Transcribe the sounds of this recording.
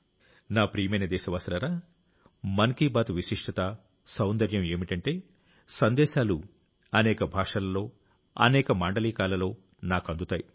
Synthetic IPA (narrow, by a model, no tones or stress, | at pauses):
naːpɾiːmɐjnɐd̪ɛːʃɐʋaːsɐlɐɾaː | mɐnkiːbaːt̪ʋiʃiʂʈʰɐt̪a | sɐwnd̪ɐɾjɐme̞ːmiʈɐɳʈe̞ː | sɐnd̪ɛːʃaːlu | ɐnɛːkɐbʱaːʂɐlɐlo̞ː | ɐ̰nɛːkɐmaːɳɖɐliːkaːlɐlo̞ː | naːkɐnd̪ut̪aːji